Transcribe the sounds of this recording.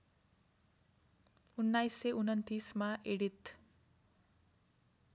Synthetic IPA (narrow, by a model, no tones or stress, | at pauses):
unːajsːeʔunʌnt̪ismaʔeɽit̪